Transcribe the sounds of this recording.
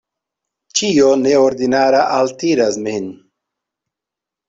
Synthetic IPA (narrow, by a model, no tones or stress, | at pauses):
t͡ʃijoneoɾd̪inaːɾaʔalt̪iɾasmin